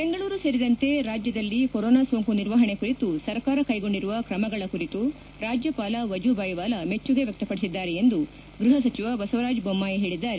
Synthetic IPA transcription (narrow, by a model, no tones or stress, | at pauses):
be̞ŋɡɐɭuːɾuseɾid̪ɐnt̪e̞ɾaːd͡ʒjɐd̪ɐlːikoɾɔːnaːsoːŋkuniɾʋɐɦɐɳe̞kuɾit̪usɐɾkaːɾɐkɐjɡo̞ɳɖiɾuʋɐkɾɐmɐɡɐɭɐkuɾit̪u | ɾaːd͡ʒjɐpaːlɐʋɐd͡ʒubɐjʋaːlɐme̞t͡ʃːuɡe̞ʋjɐk̚t̪ɐpɐɽisid̪ːaːɾeend̪u | ɡɾuɦɐs̬ɐt͡ʃiʋɐbɐsɐʋɾaːd͡ʒbomːaːjiɦe̞ːɭid̪ːaːɾe